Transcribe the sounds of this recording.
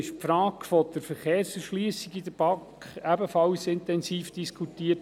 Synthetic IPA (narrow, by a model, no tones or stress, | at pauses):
ɪʃpfɾɑːkfɔd̥̪əɾfəɾχeːɾsəɾʃliəsiɡid̪əɾb̥ɑkχæbəfɑwsɪntɛnsiːfd̥iskʰutiːət